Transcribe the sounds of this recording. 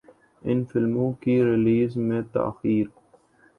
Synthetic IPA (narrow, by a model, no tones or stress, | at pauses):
ʔɪnfɪlmuːkiɾɪliːzmet̪ːa̰ʔxiːɾ